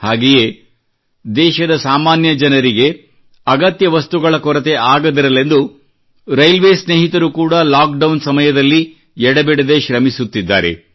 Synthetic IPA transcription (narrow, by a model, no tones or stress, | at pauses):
haːɡeje | d̪ɛːʃɐd̪ɐsaːmaːnjɐd͡ʒɐnɐɾiɡe̞ | ɐɡɐt̪jɐʋɐst̪uɡɐɭɐkɔɾɐt̪e̞ʔaːɡɐd̪iɾɐle̞nd̪u | ɾɐjlʋeːsneːɦit̪ɐɾukuːɽɐlaːk̚ɖɐwnsɐmɐjɐd̪ɐlːi | ɛɽɐbɛɽed̪e̞ʃɾɐmisut̪ːid̪ːa̰ːɾe̞̰